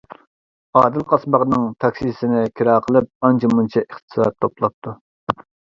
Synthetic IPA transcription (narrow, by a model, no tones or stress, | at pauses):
ɑːd̪ɪlˠqʰɑsmɑʁnɨŋt̪ʰɑkʲsisɪnɪkʲʰiɾɑːqʰəlˠɨp̚ɑnt͡ʃʰimunt͡ʃʰɑʔeχt̪ɨ̥sɑ̰t̪̚t̪ʰːoplˠɑp̚t̪ʰu